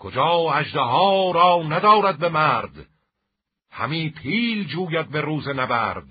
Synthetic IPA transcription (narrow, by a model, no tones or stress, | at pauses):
kʰod͡ʒɒːæʒd̪eɦɒːɾɒːnæd̪ɒːɾæd̪̚bemæɾd̪ | hæ̰miːpʰiːld͡ʒuːjæd̪̚beɾuːzenæbæ̰ɾd̪̚